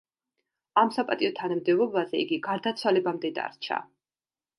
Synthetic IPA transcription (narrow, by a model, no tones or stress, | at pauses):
amsapʼat̪ʼiɔt̪ʰanamd̪ɛvɔbazɛiɡiɡaɾd̪at̪sʰwalɛbamd̪ɛd̪a̰ɾt͡ʃʰa̰